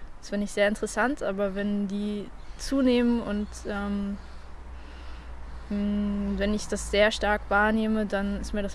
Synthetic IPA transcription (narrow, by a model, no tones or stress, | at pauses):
sv̥ɪɐnɪçtz̥eːɐɪntəʁəsantʔaːbɐvɛndiː | t͡suːneːmənʊntʔɛːm | vɛnɪçd̥asz̥eːɐʃtaɐkv̥aːɐneːmədanɪstmiːɐɾas